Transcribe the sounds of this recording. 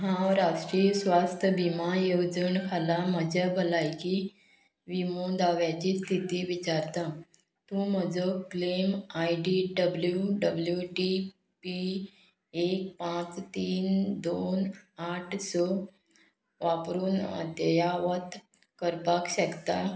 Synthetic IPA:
ɦãɾaʈɾijəsʋast̪ʰəbʱimajod͡zənkʰalaməd͡ʑabʱəlajki | ʋimod̪aʋjat͡ɕist̪ʰit̪iːʋit͡ɕaɾt̪a | t̪ũm̤əd͡zəklemajɖiɖəbljuɖəbljuʈi | pi | ek̚pãt͡st̪iːnd̪onaʈʰsɔ | ʋapɾuːna̰d̪jjaʋət̪ | kəɾpakɕəkt̪a

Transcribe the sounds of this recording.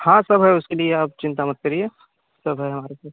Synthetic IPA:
hãsɐbɦɛʊskelieaːp̚t͡ʃɪ̃nt̪amɐt̪̚kɐɾie | sɐbɦɛɦɐmaːɾesaːt

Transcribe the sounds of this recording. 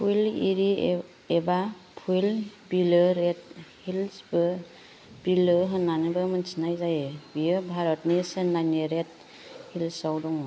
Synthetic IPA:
pʰujlḭɾi | eba | pʰujlbilɯɾet̚hilsbɯ | b̥ilɯɦɯnanɯbɯmɯnsinajzajebijɯbʱaɾɔtnisenːaniɾet̚ | hilsawdɔŋɔ

